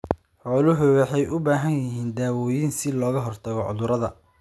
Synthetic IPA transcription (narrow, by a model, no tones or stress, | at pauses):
ħɔːlʊɦʊwɑħɑjʔʊbaːɦɐnjɪɦiːnd̪aːwɔːjiːnsɪlɔːɣɐɦɔrt̪ʰɐɣɔʕʊ̰ðʊɾɐðɐ